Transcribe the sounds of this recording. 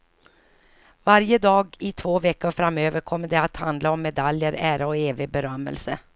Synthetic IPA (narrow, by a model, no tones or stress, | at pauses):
vaɾjəd̪ɑːɡɪt̪ʰvoːvɛkːʊɾfɾamːøːvəɾkʰɔmːəɖɛat̪hand̪laɔmːɛd̪aljəɾæːɾaɔeːvɪbɛɾœmːə̰lsə